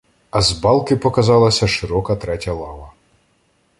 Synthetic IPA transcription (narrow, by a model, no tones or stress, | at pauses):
ɐzbɑlˠkɪpɔkɐzɑlˠɐsʲɐʂɪɾɔkɐt̪ɾɛtʲɐlˠɑʋɐ